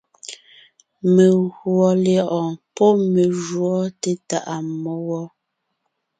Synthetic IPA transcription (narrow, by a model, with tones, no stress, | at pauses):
me˨ɣwɔ˨ljɔ˦˨ʔɔ˨pɔ˦me˨ʒwɔ˦te˦ta˨ʔa˨mɔ˦wɔ˦